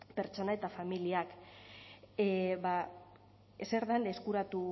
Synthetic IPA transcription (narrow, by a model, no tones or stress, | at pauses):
pe̞ɾt͡ʃo̞nae̞t̪afamiliak | eba | ese̞ɾðaneskuɾat̪u